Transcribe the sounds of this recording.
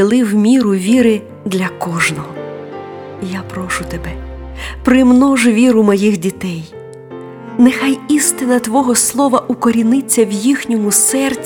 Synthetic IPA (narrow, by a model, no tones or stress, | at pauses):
ɪlˠɪwmʲiɾʊʋʲiɾɪ | d̪lʲɐkɔʒnɔɦɔ | japɾɔʃʊt̪ebɛ | pɾɪmnɔʒʊʋʲiɾʊmɔjixdʲit̪ɛj | nɛxajist̪ɪnɐt̪ʋɔɦɔslˠɔʋɐʔʊkɔɾʲinɪt͡sʲːɐwjixnʲɔmʊsɛrt͡sʲ